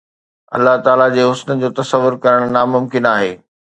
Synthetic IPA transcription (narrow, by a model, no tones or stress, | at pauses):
ɐ̰lːaɦt̪aːlad͡ʑeːɦʊsnəd͡ʑoːt̪ɐsəʋːʊɾkɐɾəɽ̃naːmʊmkɪnaːɦeː